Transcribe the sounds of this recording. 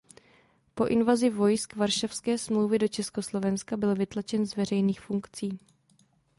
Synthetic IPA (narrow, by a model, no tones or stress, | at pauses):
po̞ʔɪnvazɪvo̞jskvaɾʃafskɛːsmlowvɪdo̞t͡ʃɛsko̞slo̞vɛnskabɪlvɪt̪lat͡ʃɛnzvɛr̝ɛjniːxfuŋkt͡siː